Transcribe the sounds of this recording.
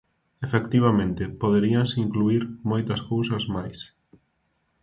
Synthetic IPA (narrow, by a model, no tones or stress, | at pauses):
efekt̪iβ̞amẽnt̪ɪpoðeɾiansiŋkluiɾmojt̪ɐskowsɐzmajs